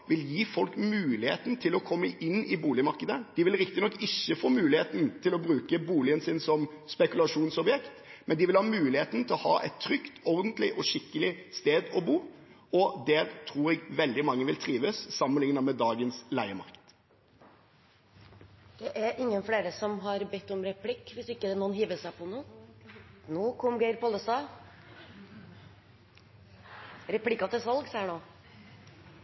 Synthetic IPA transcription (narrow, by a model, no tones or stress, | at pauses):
ʋɪljiːfɔlkmʉːlɪhḛːt̪n̩t̪ʰɪlɔkʰɔmːəʔɪnːɪbuːlɪmɑɾkəd̪əd̪̥ɪʋɪlɾɪk̚t̪ɪnɔkːɪçːəfoːmʉːlɪheːt̪n̩t̪ʰɪlɔbɾʉːkəbuːlɪənsɪnsɔmspɛkʉlɑʂuːnsɔbjɛkt̪mɛnd̪ɪʋɪlhɑːmʉːlɪheːt̪n̩t̪ʰɪlɔhɑ̰ːʔɛ̰t̪ʰːɾʏkt̪ɔɾd̪ən̩t̪lɪʔɔʂɪkːəlɪst̪eːd̪ɔbuː | ɔd̪ɛɾt̪ʰɾuːɾɛɡʋɛld̪ɪmɑŋːəʋɪlt̪ʰɾiːʋəsːɑmənlɪŋənɑmɛd̪ɑːɡənslæɪəmɑ̰ʁkt̪ | d̪̥ɛʔæɾɪŋːənfleːɾəsɔmɦɑɾbɛt̪ːɔmɾɛpʰlɪkːʋɪsɪkːəd̪ɛnuːənɦiːʋəsæɪpʰɔnuː | nuːkʰɔmɡæɪɾpʰɔləst̪ɑː | ɾɛpʰlɪkːɑt̪ɪsʋɑlɡsæːɳoː